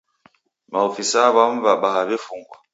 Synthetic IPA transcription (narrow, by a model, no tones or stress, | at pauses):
maofisaβam̩vaɓahabefuŋɡwa̰